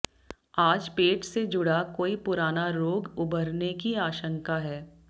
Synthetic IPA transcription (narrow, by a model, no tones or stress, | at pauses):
aːd͡ʒpeːʈsed͡ʒʊɽakoːipʊɾaːnaɾoːɡʊbəɾnekiaːʃə̃ŋkaɦɛː